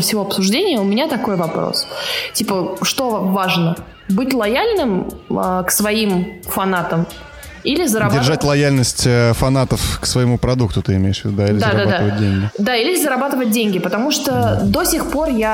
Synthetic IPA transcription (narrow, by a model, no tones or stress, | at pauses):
fsʲɪvo̞ɐpsʊʐdʲenʲɪjəʊmʲɪnʲat̪ɐko̞jvɐpɾo̰stʲipəʂt̪o̞vaʐnə | bɨtʲlˠɐjalʲnɨm | ksvɐimfɐnat̪əm | ilʲɪzəɾɐbdʲɪrʐatʲlˠɐjalʲnəsʲtʲəfɐnat̪əfksvəjɪmupɾɐd̪uk̚t̪ʊt̪ɨɪmʲejɪʂvʲɪd̪ud̪ailʲɪzd̪add̪abad̪aəvət̚ʲdʲenɡʲɪd̪ailʲɪzəɾɐbat̪ɨvət̚ʲdʲenʲɡʲɪpət̪ɐmuʂt̪od̪o̞sʲɪxpo̞rja